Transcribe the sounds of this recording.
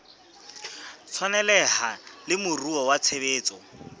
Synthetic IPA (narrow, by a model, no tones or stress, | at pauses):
t͡sʰwanɛlɛhalɪmʊruɔwat͡sʰebeːt͡sʼɔ